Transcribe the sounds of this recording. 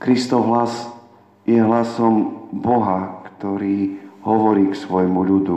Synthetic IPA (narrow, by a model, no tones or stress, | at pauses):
kɾist̪ɔʊɦlas | jɛɦlasɔmbɔɦakt̪ɔɾiːɦɔʋɔɾiːksʋɔjmuʎud̪u